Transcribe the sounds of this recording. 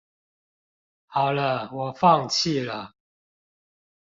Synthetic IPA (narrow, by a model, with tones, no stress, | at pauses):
xɑ˨˩ʊlə˦wɔ˨˩fɑ˥˨ŋt͡ɕʰi˥˨lə˨˩